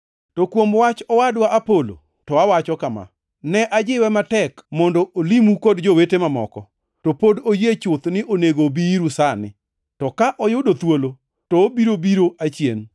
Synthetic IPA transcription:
tokwomwat͡ʃɔwadwaʔapolo̰ | tɔawat͡ʃɔkama̰ | nɛʔad͡ʒɪwɛmatɛkmɔndɔʔolimukodd͡ʒowetemamɔ̰kɔ | topodojet͡ʃʊt̪nɪʔoneɡobiɾusanɪ̰ | tɔkaʔɔjʊdot̪wolo | tɔːbiɾobiɾoʔat͡ʃjḛn

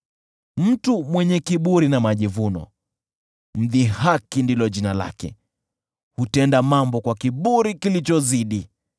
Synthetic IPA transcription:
m̩tumwɛɲɛkiɓuɾinamaʄivunɔ̰ | m̩ðihakindilɔʄinala̰kɛ̰ | hutɛndamambɔkwakiɓuɾikilit͡ʃɔziɗi

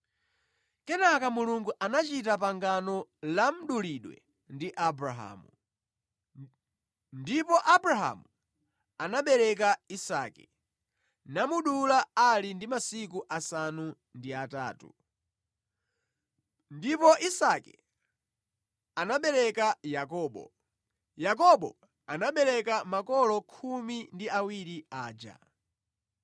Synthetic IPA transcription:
kɛnakamuluŋɡuʔanat͡ʃitap̬aŋɡanɔlam̩ɗuliɗwɛ̰ | ndiʔabɾaɦa̰ːmu | ndipɔʔabɾaɦa̰mu | anaɓɛɾɛk̬aisa̰kɛ | namuɗulaalindimasikuʔasanu | ndiata̰ːtṵ | ndipɔʔisakɛ̰ | anaɓɛɾɛkajakɔːɓɔ̰ | jak̬ɔɓɔ̰ | anaɓɛɾɛkamakɔlɔkʰumindiawiɾiaːd͡ʒa̰

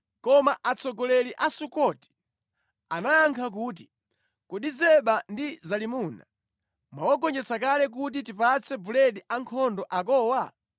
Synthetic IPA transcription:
kɔmaʔat͡sʰɔɡɔlɛliʔasukɔti̥ | anaaŋkʰak̬uːt̬i̥ | kuɗizɛɓandizalimuːna̰ | mawɔɡɔnd͡ʒɛt͡sakalɛk̬ut̬itipat͡sʰɛbulɛɗiʔaŋkʰɔndɔʔak̬ɔːwa

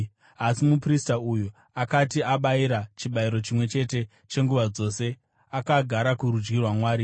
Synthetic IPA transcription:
asimupristauju | akatiaɓaiɾat͡ʃiɓaiɾo̞t͡ʃimwe̞t͡ʃe̞te̞ | t͡ʃe̞ŋɡuʋad͡zo̞ːse̞ | akaɡʱaɾakuɾud͡ʒɡirwamwaːɾi

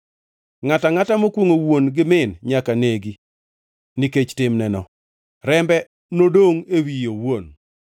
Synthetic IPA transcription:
ŋataŋatamokwoŋowonɡɪmɪnɲakaneɡi | niket͡ʃtɪmnɛnɔ̰ | ɾɛmbɛ | nodoŋewijowon

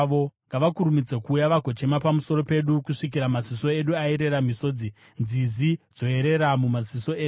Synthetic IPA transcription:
ʋoŋɡaʋakuɾumid͡zekuːjaʋaɡʱo̞t͡ʃe̞mapamuso̞ɾo̞pe̞ɗukuʂik̬iɾamaziso̞eɗuaeɾe̞ɾamiso̞ːd͡zi | nd͡zizid͡zo̞e̞ɾe̞ɾamumaziso̞e

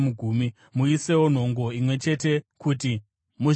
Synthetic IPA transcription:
muɡʱuːmi | muise̞won̤o̞ŋɡo̞imwe̞t͡ʃe̞te̞kuti | mu

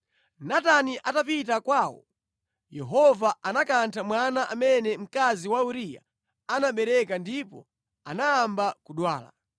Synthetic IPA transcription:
nataniʔatapitakwaːwɔ̰ | jɛɦɔvaʔanakantʰamwanaʔamɛnɛm̩kaziwauɾija̰ | anaɓɛɾɛkandipɔ̰ | anaːmbakuɗwaːla̰

